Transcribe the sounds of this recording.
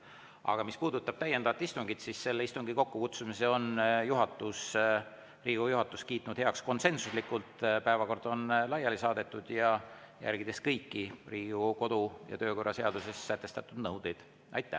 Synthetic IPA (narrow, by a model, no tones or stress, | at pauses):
ʔɑ̰ɡ̥ɑmispuːd̪ut̪ːˑɑb̥̚t̪æjend̪ɑvɑt̪ist̪uŋɡ̥it̪sisse̞lːeist̪uŋɡiko̞kːukut̪sumiseo̞njuɦɑt̪ːˑus | riːɡujuɦɑt̪ːˑuskiːt̪ːˑnud̪̥he̞ɑksko̞nse̞nsuslikːult̪pæe̞vɑko̞rd̪̥o̞nlɑjɑlisɑːd̪e̞t̪ːˑud̪̥jɑ | jæ̰rɡ̥id̪̥e̞skɤjkːiriːɡuko̞d̪̥ujɑ̰t̪ø̞ːko̞rːɑse̞ɑd̪use̞sːæt̪ːˑe̞st̪ɑt̪ːˑud̪nɤwd̪̥ejd̪̥ | ʔɑ̰jt̪ːˑæ̰